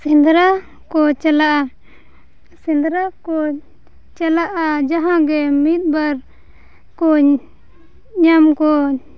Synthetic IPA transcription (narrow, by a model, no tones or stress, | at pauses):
sind̪ɾa | kɔt͡ʃalaʔa | sind̪ɾakɔ | t͡ʃalaʔad͡ʒaɦãɡɛmit̪̚baɾ | kɔ | ɲamkɔ